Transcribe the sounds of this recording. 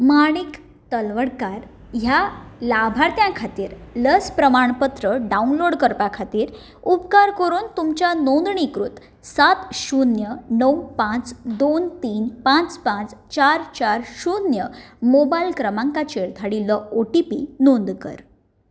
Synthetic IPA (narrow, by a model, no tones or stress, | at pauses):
maɽ̃ik | t̪əlʋəɽkaɾ | ɦjalabʱaɾt̪jãkʰat̪iːɾləspɾəmaɳpət̪ɾəɖaunloɽkəɾpakʰat̪iːɾ | upkaɾkəɾuːnt̪umt͡ɕanond̪ɳikɾut̪ | sat̪ɕunjənəwpãt͡sd̪ont̪iːnpãt͡spãt͡st͡ɕaɾt͡ɕaɾɕunjəmobajlkɾəmãŋkat͡ɕeɾt̪ʰaɽiləoʈipḭnond̪kə̰ɾ